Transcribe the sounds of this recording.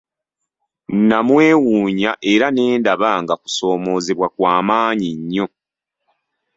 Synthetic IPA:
nnamwe̞ːwuːɲaʔe̞ɾane̞ːndaβaŋɡaku̥so̞ːmo̞ːzeβwakwaːmaːɲiɲːo̞

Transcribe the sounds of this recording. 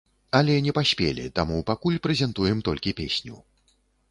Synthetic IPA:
ɐlʲɛnʲɛpasʲpʲḛlʲḭt̪a̰mupakulʲpɾɛzʲɛnt̪ujɛmt̪ɔlʲkʲipʲesʲnʲṵ

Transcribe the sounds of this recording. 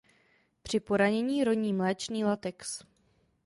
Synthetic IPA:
pr̝̥ɪpo̞ɾaɲɛɲiːɾo̞ɲiːmlɛːt͡ʃniːlat̪ɛks

